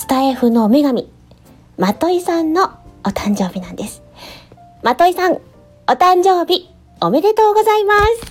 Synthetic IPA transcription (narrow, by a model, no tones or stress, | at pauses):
sɨ̥t̪aeɸɯ̟noːme̞ɡamʲi | mat̪o̞isãnːo̞ːt̪ãɲ̟d͡ʑo̞ːbʲinãnd̪e̞sɨ̥ | mat̪o̞isãŋ | o̞t̪ãɲd͡ʑo̞ːbʲi | ome̞ɾe̞t̪o̞ːɡo̞zaimasɨ̥